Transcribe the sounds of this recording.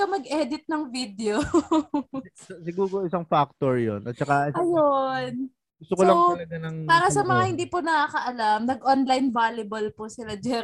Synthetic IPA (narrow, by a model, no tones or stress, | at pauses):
kɐmɐɡʔɛd̪ɪt̪̚nɐŋvid̪ɛo | sɪɡuːɾoɪsaŋfak̚t̪oɹjo̰nʔɐt̪̚t͡ʃɐkaɐjon | ɡʊst̪okolɐɐɐnɐŋpaːɾɐsɐmɐŋahɪnd̪iːpʊnɐkaːkɐʔɐlamnɐɡʔonlajnvaːlɪbɐlpʊsɪlad͡ʒɛ